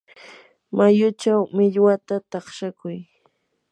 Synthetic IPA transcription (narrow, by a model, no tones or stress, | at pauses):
majʊt͡ʃawmɪʎwat̪at̪ɑχʃakʊj